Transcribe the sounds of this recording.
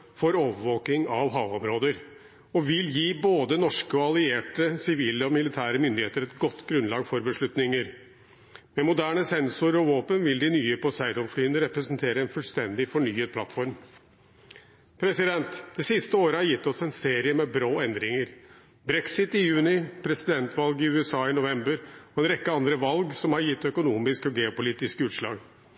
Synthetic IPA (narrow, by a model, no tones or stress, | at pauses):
fɔɾoːʋəʋoːk̪ɪŋɑʋɦɑːʋɔmɾoːd̪əɾ | ɔʋɪljiːboːd̪ənɔʂkəɔɑlɪeːʈəsɪʋiːləɔmɪlɪt̪ʰæːɾəmʏnd̪ɪheːt̪əɾɛt̪ɡɔt̪ːɡɾʉnlɑːɡfɔɾbəʂɭʉt̪nɪŋəɾ | mɛmʊd̪æːɳəsɛnsʊɾəɾɔʋoːpənʋɪld̪ɪnyːəpʰɔsæɪd̪ɔmflyːənəɾɛpɾəsənt̪ʰeːɾəɛnfʉlst̪ɛnd̪ɪfɔɳyːəpʰlɑt̪fɔɾm | pʰɾɛsɪd̪ɛnt̪d̪̥ɛsɪst̪əoːɾəhɑɾjɪt̪ːɔsɛnseːɾɪəmɛbɾoːɛnd̪ɾɪŋəɾ | bɾɛksɪt̪ɪjʉːnɪpʰɾɛsɪd̪ɛnt̪ʰʋɑlɡɪʉːɛsɑːɪnʊʋɛmbəɾɔɛnɾɛkːəɑnd̪ɾəʋɑlɡsɔmhɑɾjɪt̪ːœkʊnuːmɪskɔɡɛːʊpʊliːt̪ɪskʉːt̪ʂlɑ̰ːɡ